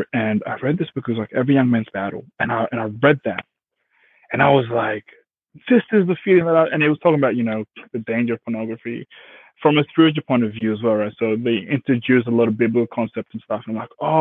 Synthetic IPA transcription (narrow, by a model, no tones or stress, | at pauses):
ɨ̃na̰ɪɹɛd̪̚ðɪsb̥ʊkwzlaɪkɛvɹijʌ̃ŋmæ̃nzbæɾl̩ˠɨ̃naɪʔɨ̃ñaɪɹɛd̪̚ðæ̰t̚ | ɨ̃naɪwʌzlaɪk | ðɪsɨzðəfilˠɪ̃ŋðəɾaɪʔɨ̃ñɨt̚wʌz̥tʰɔkɪ̃ŋəbaʊjɨnoʊðɨdẽɪ̃nd͡ʒə˞ʌv̥pʰənɑɡɹɨfḭ | fɹʌ̃mɨspɪɨd͡ʒ̩ˠpʰɔ̃ɪ̃ñtʌvjʉəzwɛlˠɹaɪtsoʊðeɪʔɪ̃ntɹ̥ɨdʉsəlɔɾʌvbɪbləkl̩ˠkʰɑ̃nsɛp̚tsn̩stʌfənãmlaɪko